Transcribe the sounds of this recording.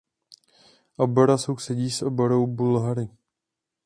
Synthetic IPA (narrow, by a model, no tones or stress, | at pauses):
ʔoboɾasowsɛɟiːsʔoboɾowbulɦaɾɪ